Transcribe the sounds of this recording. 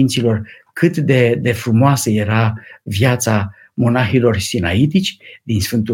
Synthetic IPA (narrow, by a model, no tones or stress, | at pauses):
int̪silo̞r | kʰɨt̪d̪e̞d̪e̞fɾumoasəje̞ɾavjat̪sa | mo̞naxilo̞rsinait̪it͡ʃʲd̪insfɨnt̪u